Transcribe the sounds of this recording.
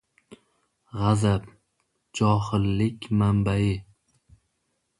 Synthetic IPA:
ʁazap | d͡ʒɒhɪlːɪkʲmambajɪ

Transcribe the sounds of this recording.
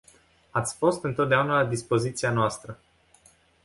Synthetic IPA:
at̪sʲfo̞st̪ɨnt̪ot̪d̪eaunalad̪ispo̞zit̪sianoast̪ɾə

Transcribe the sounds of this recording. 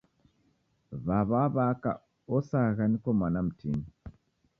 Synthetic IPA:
βaβaβaka̰ | ɔsaɣanikɔmanam̩tʰḭni

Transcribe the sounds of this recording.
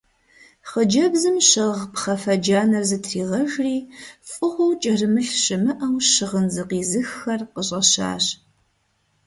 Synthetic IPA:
χəd͡ʒɐbzɨmɕɪʁpχɐfɐd͡ʒaːnɐrzɨtʰriːʁɐʒriːfʼɨʁʷowt͡ʃʼɐrɨmɨɬɕɨmɨʔaːwʃɨʁənzɨqiːzɨxːɐrqəɕʼɐɕa̰ːɕ

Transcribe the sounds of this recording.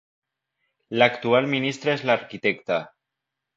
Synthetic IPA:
lakt̪ualminist̪ɾaezlaɾkit̪ɛkt̪a

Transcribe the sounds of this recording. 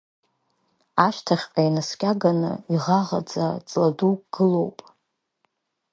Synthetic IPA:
aʃtʰaχʲqʼajnaskʲʼaɡanɨ̰iʁaʁa̰d͡za̰t͡sʼladukʼɡ̥ɨlo̞wpʼ

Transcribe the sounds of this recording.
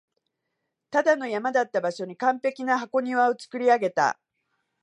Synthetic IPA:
t̪ad̪ano̞jamad̪at̪ːabaɕo̞ɲ̟ikãmpe̞kʲinaɦako̞ɲ̟iβao̞t͡sɨ̥kɯ̟ɾʲiaɡe̞t̪a̰

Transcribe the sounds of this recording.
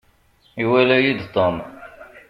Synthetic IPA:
iwælæjid̪t̪ˤom

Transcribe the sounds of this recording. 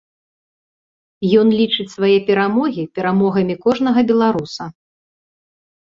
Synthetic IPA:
jɔnlʲit͡ʂɨt͡sʲsvajɛpʲɛɾamɔɣʲipʲɛɾamɔɣɐmʲikɔʐnɐɣɐbʲɛlˠaɾusɐ

